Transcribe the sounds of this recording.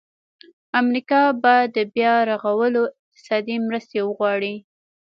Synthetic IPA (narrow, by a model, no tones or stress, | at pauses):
amɾikɑbɑjad̪ːəbjɑɾaɣawəloɪq̚t̪ɪ̥sɑd̪imɾəst̪ewəɣwɑɽi